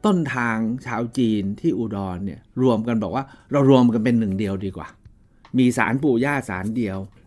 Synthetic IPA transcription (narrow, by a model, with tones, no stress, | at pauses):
t̪o˥˩nt̪ʰaː˧ŋt͡ɕʰaː˧wt͡ɕiː˧nt̪ʰiː˥˩ʔuː˧˩dɔː˧nːi˥˩ɐɾu˧əmka˧nbɔː˨˩k̚waː˥˩ɾa˧wɾu˧əmka˧npe˧nːɯ˨˩ŋdi˧əwdiː˧kwa̰ː˨˩ | miː˧sa̰ː˩˦npuː˨˩jaː˥˩sa̰ː˩˦ndi˧əw